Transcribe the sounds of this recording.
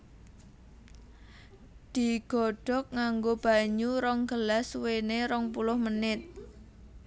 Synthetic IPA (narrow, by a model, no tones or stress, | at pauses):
d̪̥i̤ɡ̥ɔ̤ɖ̥ɔ̤k̚ŋaŋɡob̥a̤ɲuɾɔŋɡ̥əlasweneɾɔŋpulʊhmənɪt̪̚